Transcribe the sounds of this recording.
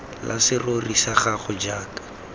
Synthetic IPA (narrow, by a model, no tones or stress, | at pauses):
lʔa̰sɪrorisaχaχʊd͡ʒaːkḁ